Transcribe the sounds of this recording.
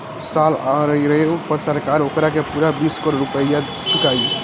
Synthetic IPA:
salaɾəjɾəopəɾsəɾkaɾokɾakepuɾabiskoɾɾupəja | t͡ʃʰukaj

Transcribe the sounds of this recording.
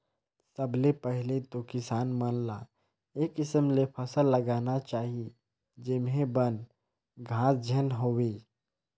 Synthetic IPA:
səblepəɦɪlet̪okɪsaːnmənla | eːkːɪsəmlepʰəsəlːəɡaːnat͡ʃaːɦi | d͡ʒemɦẽbən | ɡʱãːsd͡ʒʱənɦoːweː

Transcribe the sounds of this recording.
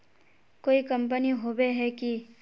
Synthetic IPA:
koːikɐ̃mp̬əniɦoːbeɦɛki

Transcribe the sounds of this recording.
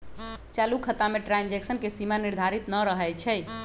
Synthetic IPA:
t͡ʃalukʰət̪ameʈɾand͡ʒeksənkesimaniɾd̪ʱaɾit̪nəɾəɦɛjt͡ʃʰɛ

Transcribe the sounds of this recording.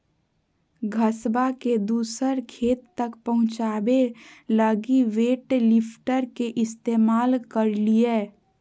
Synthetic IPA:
ɡʱəsbaked̪uːsəɾkʰeːt̪ːəkpəɦʊ̃t͡ʃaːbeləɡiʋeːʈlɪpʰʈəɾkeʔɪst̪eːmaːlkəɾlieː

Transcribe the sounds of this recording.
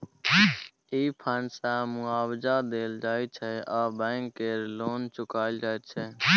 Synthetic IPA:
iːpʰəːnsaːmʊaːwd͡ʒaːd̪eːld͡ʒaːit͡ʃʰɛːaːbɛ̃ːŋkːeːɾloːnt͡ʃʊkaːɪld͡ʒaːet͡ʃʰɛː

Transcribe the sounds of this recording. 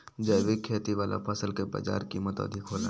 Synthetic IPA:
d͡ʒəjʋɪkʰːeːt̪iʋaːlʔa̰pʰɐsəlkeba̰ːd͡ʒa̰ːɾkiːmət̪ɔ̰ːd̪ʱikɦoːla̰

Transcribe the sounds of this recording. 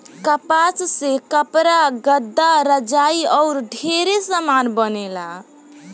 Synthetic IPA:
kəpat͡ʃsekəpɾaɡəd̪ːaɾəd͡ʒaiɔʊɾɖʱeɾesamanbənela

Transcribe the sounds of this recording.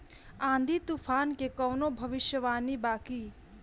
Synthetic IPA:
ãːnd̪ʱit̪upʰaːnkekɐwnobʱɐʋɪʃjəʋaːnibaːki

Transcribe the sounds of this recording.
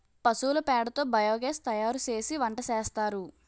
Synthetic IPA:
pɐsuːlɐpɛːɽɐt̪oːbɐjoːɡeːst̪ɐjaːɾut͡ʃe̞ːsiʋɐɳʈɐt͡ʃɛːst̪aːɾu

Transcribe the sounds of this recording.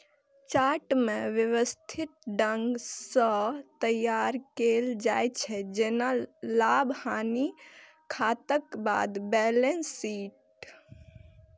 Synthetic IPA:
t͡ʃaʈmẽʋjewəst̪ʰit̪̚ɖəŋɡsət̪əjaɾkeld͡ʒajt͡ʃʰɛd͡ʒenalabhani | kʰat̪əkba̰d̪bɛlensːiːʈ̚

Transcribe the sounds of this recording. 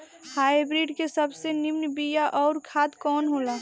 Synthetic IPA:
haːibɾiɖkesəbsenimnəbijaʔɔːɾkʰaːt̪kɔːnɦoːla

